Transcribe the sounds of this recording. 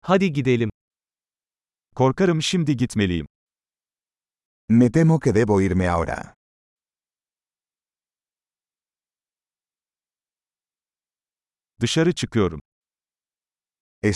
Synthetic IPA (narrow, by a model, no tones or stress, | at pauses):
had̪iɟid̪e̞lʲim | kʰo̞ɾkaɾɯmʃimd̪iɟit̪me̞lʲijḭm | met̪emoked̪ɛbojiɾmea̰wɾa̰ | d̪ɯʃaɾɯt͡ʃʰɯkɯjo̞ɾum | e